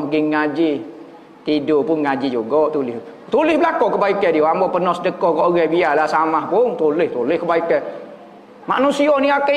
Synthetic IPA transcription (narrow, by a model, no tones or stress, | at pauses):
ɡiŋad͡ʒi | t̪idopʊnŋad͡ʒid͡ʒuɡɔʔt̪ulɪh | t̪ulɪhbəlakokəbaikɛdioambɔpənɔhsədəkɔkoʔɡabialasamahpʊnt̪ulɪht̪ulɪhkəbaikɛ | ma̰nusiɔniakə